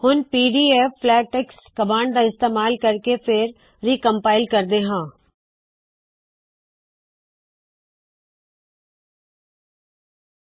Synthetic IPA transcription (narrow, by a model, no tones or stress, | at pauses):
hʊnpiːɖiːeːfːlɛːʈɪkskɐbaːɳɖd̪aɪst̪eːmaːlkɐɾkepʰɪɾː | iːkə̃mpaːɪlkɐɾd̪eːɦãː